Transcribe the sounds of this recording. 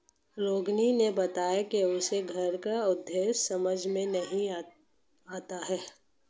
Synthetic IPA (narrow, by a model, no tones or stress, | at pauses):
ɾoːɡninebɐt̪aːjakeʊseɡʱɐɾkaʊd̪ʱːeːʃsɐməd͡ʒʱmẽnɐɦĩ | aːt̪aɦɛː